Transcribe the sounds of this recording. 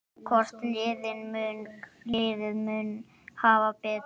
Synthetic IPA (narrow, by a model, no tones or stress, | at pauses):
kʰɔrst̪lɪːðɪnmʏnklɪɪːðɪðmʏn | haːvapɪt